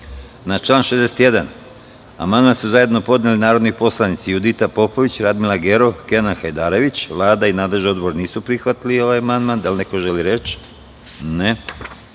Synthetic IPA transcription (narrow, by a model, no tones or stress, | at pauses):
nat͡ʃlˠaːnʃezd̪eset̪je̞d̪an | a̰mand̪mansuzaje̞d̪no̞po̞d̪nelinaːɾod̪nopo̞slˠanit̪sijud̪it̪apo̞po̞ʋit͡ɕɾad̪milˠaɡeɾo̞kenaxajd̪aːɾe̞ʋit͡ɕʋlˠaːd̪ainaːd̪leʒeo̞d̪boɾniːsupɾixʋat̪iliio̞ʋajamand̪mand̪alneko̞ʒeliɾet͡ɕ | ne